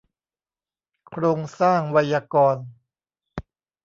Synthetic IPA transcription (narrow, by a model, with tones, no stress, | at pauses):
kʰɾoː˧ŋsaː˥˩ŋwa˧jaː˧kɔː˧n